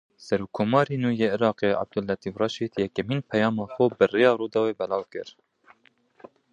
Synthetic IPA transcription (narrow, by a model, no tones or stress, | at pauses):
sɛɾuːkʰːoːmɑːɾiːnuːjeːʔɪɾɑːqeːʔa̰b̚d̪ʊlːɛt̪iːfrɑʃiːd̪jɛkɛmhiːnpʰɛjɑːmɑːxobɨrejɑːɾuːd̪ɑweːbɛlɑːwkɨɾ